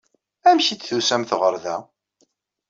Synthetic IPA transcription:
æmçit͡sθusæmθʁəɾˤðæ

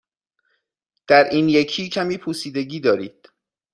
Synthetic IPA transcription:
d̪̥æɾʔiːnjecʰiːcʰæmiːpʰusiːd̪eɟiːd̪ɒːɾḭːd̪̥

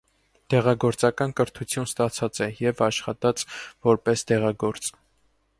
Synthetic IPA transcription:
d̪̥ɛʁɑɡɔɾt͡sɑkɑnkəɾt̪ʰut͡sʰjunst̪ɑt͡sʰɑt͡sɛjɛvɑʃχɑt̪ɑt͡svɔɾpɛsd̪ɛʁɑɡɔɾt͡s

